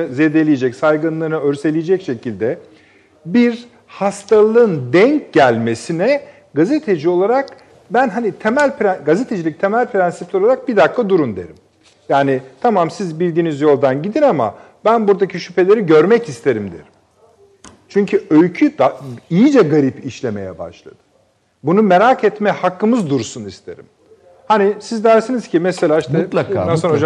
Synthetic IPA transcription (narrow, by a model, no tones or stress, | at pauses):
ɯzed̪elʲijed͡ʒɛcsajɡɯnlˠɯnɯøɾse̞lʲijed͡ʒɛcʃe̞cʰilʲd̪ɛ | biɾ | hast̪ʰalˠɯnd̪ɛɲcɟælʲme̞sinɛ | ɡazet̪ʰe̞d͡ʒio̞lˠaɾak | bænɦanit̪ʰemælʲpʰɾɛɡazet̪ʰe̞d͡ʒilʲic̚t̪ʰemælʲpʰɾænsip̚lʲolˠaɾak̚bid̪ak̪ːˠad̪uɾund̪ḛɾim | jaːnit̪ʰamamsizbilʲd̪iːnizjo̞lˠd̪anɟid̪inama̰ | bænbuɾd̪acʰiʃypʰe̞lʲe̞ɾiɟøɾmɛcist̪ʰe̞ɾimd̪ḭɾ̥ | t͡ʃʰyɲcʰyøjcʰyd̪̥aijid͡ʒɛɡaɾipiʃlʲe̞me̞̰jɛ̰ba̰ʃlˠa̰d̪̥ɯ̥ | bunumeɾakʰɛt̪mɛhakːɯmɯzd̪uɾsunist̪ʰe̞̰ɾḭm | hanisizd̪æɾsiniz̥cʰimɛselʲaːiʃt̪ɛansonod͡ʒa